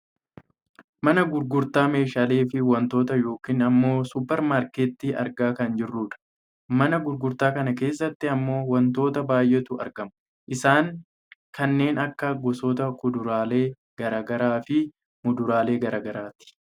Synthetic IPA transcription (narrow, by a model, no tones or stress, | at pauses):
mɐnɐɡʊɾɡʊɾt̪aːme̞ːʃaːle̞ːfɪwɐnt̪o̞ːt̪ɐjo̞ːkiːnɐmːo̞ːsʊpːɛɾmaːɾkeːt̪ːiːʔɐ̰ɾɡaːkɐnd͡ʒɪrːuːᶑɐ̥ | mɐnɐɡʊɾɡʊɾt̪aːkɐnɐke̞ːs̬ːɐt̪ːɪɐmːo̞ːwɐnt̪o̞ːt̪ɐbaːjʔɛt̪ʊʔɐ̰ɾɡɐmʊ | ʔɪsaːŋ | kʰɐnːe̞ːnɐkːɐɡɔsɔːt̪ɐkʊd̪ʊɾaːle̞ː | ɡ̥ɐɾaːɡɐɾaːfɪ | mʊd̪ʊɾaːle̞ːɡɐɾaːɡɐɾaːt̪ɪ̥